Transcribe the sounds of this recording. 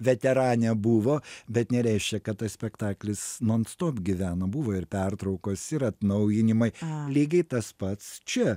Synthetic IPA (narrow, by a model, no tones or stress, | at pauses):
ʋʲɛt̪ʲɛɾɑːnʲɛbuːʋoːbʲɛt̪nʲɛɾʲɛɪʃʲkʲɛkɐt̪t̪ːɐssʲpʲɛkt̪ɑːklʲɪsnoːnst̪oːpɡʲɪʋʲæːnɐbuːʋoːɪrpʲɛrt̪ɾɐʊkoːsɪɾɐt̪nɐʊjɪnʲɪmɐɪlʲiːɡʲɐɪt̪ɐspɐt̪st͡ʃʲɛ